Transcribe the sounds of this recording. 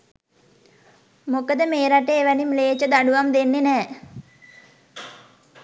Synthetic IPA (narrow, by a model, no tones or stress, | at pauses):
mokəd̪əmeːɾaʈeːʋænimleːt͡ʃəd̪aɖuʋamd̪enːenɛː